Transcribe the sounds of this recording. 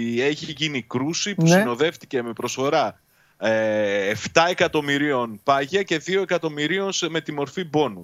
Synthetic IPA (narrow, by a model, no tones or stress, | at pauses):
e̞çiʝinikɾusipusino̞ðe̞ft̪ice̞me̞pɾo̞sfo̞ɾɐ | eft̪ɐe̞kɐt̪o̞miɾio̞npɐʝɐce̞ðio̞e̞kɐt̪o̞miɾio̞nseme̞t̪imo̞ɾfibo̞nu